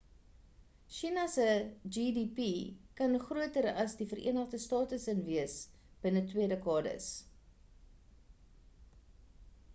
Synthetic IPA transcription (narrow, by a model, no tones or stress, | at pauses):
ʃinɐsəd͡ʒidipikɐnχruətəɾɐsdifəɾʔḭənəχdəstɑːtəsənviəs | b̥ənətwiədəkɑːdə̰s